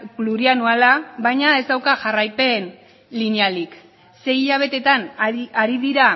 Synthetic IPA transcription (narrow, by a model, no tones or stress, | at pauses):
kluɾianualaβajɲae̞zd̪awkaʝarajpe̞n | linialik | se̞iʎaβ̞e̞t̪e̞t̪anaɾiðiɾa